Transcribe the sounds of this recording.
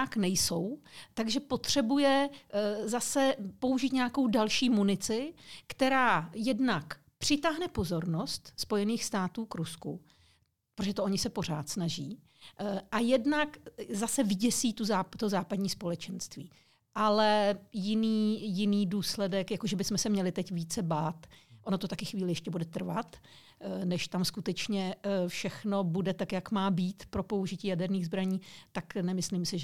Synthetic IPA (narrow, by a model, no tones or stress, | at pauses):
aknɛjso̞wt̪aɡʒɛpo̞t̪r̝̥ɛbujɛ | zasɛpo̞uʒiːt̪ɲɛjako̞wdalʃiːmunɪt͡sɪkt̪ɛɾaːjɛdnak | pr̝̥ɪt̪aːɦnɛpo̞zo̞ɾno̞st̪spo̞jɛniːxst̪aːt̪uːkɾuskṵ | pɾoʒɛt̪ooɲɪsɛpo̞r̝aːt̪snaʒiː | ʔajɛdnakzasɛvɪɟɛsiːt̪uzat̪ozaːpadɲiːspo̞lɛt͡ʃɛnst̪viː | ʔalɛjɪniːjɪniːduːslɛdɛkjakoʒɛbɪsmɛsɛmɲɛlɪt̪ɛcviːt͡sɛbaːt̪ʔonot̪o̞t̪akɪxviːlɪjɛʃcɛbudɛt̪r̩va̰t̪ | nɛʃt̪amskut̪ɛt͡ʃɲɛfʃɛxno̞budɛt̪akjakmaːbiːt̪pɾo̞po̞uʒɪciːjadɛɾniːɣzbɾaɲiːt̪aknɛmɪslimsɪʒ